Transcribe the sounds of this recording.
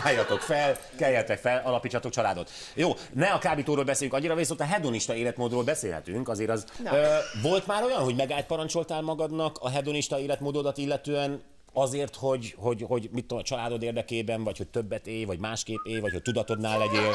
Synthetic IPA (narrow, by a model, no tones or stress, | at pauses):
aːjːɒt̪o̞kfɛl | kɛjːɛt̪ɛkfɛlɒlɒpiːt͡ʃːɒt̪o̞kt͡ʃɒlaːd̪o̞t̪ | joː | nɛɒkaːbiːt̪oːɾoːlbɛseːlyŋkɒɲːiɾɒveːsoːt̪ɒɦɛd̪oniʃt̪ɒeːlɛt̪moːd̪roːlbɛsḛːlɦɛ̰t̪yŋkɒzeːɾɒz | vo̞lt̪maːɾo̞jɒnɦo̞ɟmɛɡaːt̪̚pɒɾɒnt͡ʃo̞lt̪aːlmɒɡɒd̪nɒkɒɦɛd̪oniʃt̪ɒeːlɛt̪moːd̪oːd̪ɒt̪ilːɛt̪øːɛn | ɒzeːrt̪ho̞ɟho̞ɟho̞ɟmit̪ːomɒt͡ʃɒlaːd̪o̞d̪eːrd̪ɛkeːbɛɱvɒcho̞c̚t̪øbːɛt̪eːjvɒɟmaːʃkeːpeːjʋɒcho̞c̚ʲt̪ud̪ɒt̪o̞d̪naːlːɛɟeː